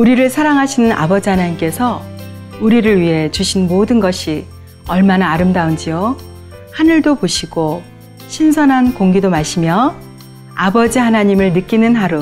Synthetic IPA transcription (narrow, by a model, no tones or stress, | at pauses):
uɾiɾɯɭsʰaɾaŋɦaɕʰinɯnʔa̰bʌd͡ʑihanaɲimk͈e̞sʰʌ | uɾiɾɯɭɥiɦe̞t͡ɕuɕʰinmodɯnɡʌɕʰi | ʌɭmanaːɾɯmdaund͡ʑijo | hanɯɭdopoɕʰiɡ̥o | ɕʰinsʰʌnɦankoŋɡidomaɕʰimjʌ | abʌd͡ʑihanaɲimɯɭnɯk͈inɯnɦaɾu